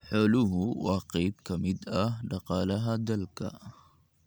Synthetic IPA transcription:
ħɔːlʊɦʊwɑːqɛjbkʰɐmɪd̪ɐɦɖɑqɑːlɐɦɐd̪ɐlkʰɐ̰

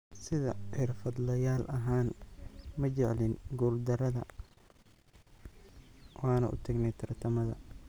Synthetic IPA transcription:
sɪðɐħɪrfɐd̪lɐjaːlʔɐɦaːnmɐt͡ʃɛʕlɪnɡuːld̪ɐɾɐðɐ | wɑːnɐʔʊ̰t̪ʰɐɡnɛjt̪ʰɐrt̪ʰɐmɐðɐ̰

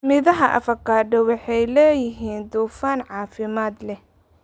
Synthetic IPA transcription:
mɪðɐɦɐʔɐ̰fɐkʰaːɖɐwɑħɑjlɛːjɪɦiːnd̪uːfaːnʕɑːfɪmaːd̪lɛ

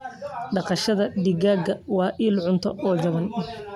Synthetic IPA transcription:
ɖɑqɑʃɐðɐɖɪɣaːɡɐwɑːʔiːlʕʊnt̪ʰɔɔːd͡ʒɐβɐnɪ

